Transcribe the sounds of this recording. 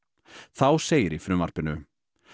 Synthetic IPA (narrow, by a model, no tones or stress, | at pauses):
θawseːjɪɾifɾʏma̰r̥pɪnʏ